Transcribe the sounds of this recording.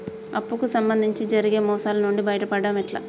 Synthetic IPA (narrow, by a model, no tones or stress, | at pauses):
ɐpːukusɐmbɐnd̪ʱiɲt͡ʃid͡ʒɐɾiɡe̞ːmɔːsaːlɐnuɳɖibɐjɐʈɐpɐɽːamiʈla̰ː